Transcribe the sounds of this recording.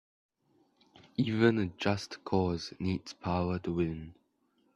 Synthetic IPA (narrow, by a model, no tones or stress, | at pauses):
iːvə̃nəd͡ʒastkʰɔzniːdspʰaʊətuwɪ̃n